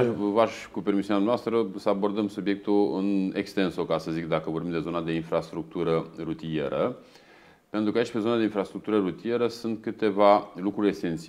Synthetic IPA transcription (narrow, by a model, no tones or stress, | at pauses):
vaʃkupe̞rmisineamnaast̪ɾəsəabo̞rd̪əmsubjek̚t̪uɨne̞kst̪e̞nsokasəzikd̪akəvo̞rbimd̪e̞zo̞nad̪e̞infɾast̪ɾuk̚t̪uɾəɾut̪ije̞ɾə | pe̞nt̪ɾukait͡ʃʲpe̞zo̞nad̪e̞infɾast̪ɾuk̚t̪uɾəɾut̪ie̞ɾəsɨnt̪̚kɨt̪e̞valukɾuɾʲe̞sent̪si